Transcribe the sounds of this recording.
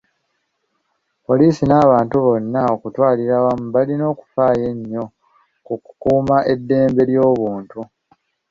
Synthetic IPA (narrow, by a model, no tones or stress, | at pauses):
po̞liːsinaːβaːntuβo̞nːao̞kutwaːliɾawamuβalino̞ːku̥faːje̞ɲːo̞ | kukukuːmaʔe̞dːe̞ːmbe̞ljo̞ːβuːntu